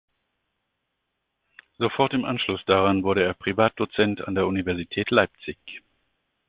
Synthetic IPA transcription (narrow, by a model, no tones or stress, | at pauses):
z̥ofɔɐtɪmʔanʃlʊsd̥aʁanvʊɐɾəeːɐpʁ̥ivaːt̚d̥ot͡sɛnta̰ndeːɐʔunivɛɐzitʰɛːtʰlaɪp̚t͡sɪç